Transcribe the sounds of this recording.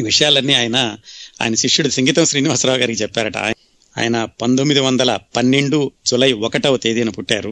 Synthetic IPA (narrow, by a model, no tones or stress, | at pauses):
ʋiʂɐjaːlɐnːiaːjɐnɐa̰ːjɐnɐʃiʂːuɽusiŋɡiːt̪ɐmʃɾiːniɦɐsɾaːɡaːɾikit͡ʃɛpːaːɾɐʈɐ̰ | a̰ːjɐnɐpɐnd̪omːid̪iʋɐnd̪ɐlɐpɐnːe̞ɳɖud͡ʒulɐjiɔkɐʈɐʋɐt̪eːd̪iɐnɐpuʈːa̰ːɾu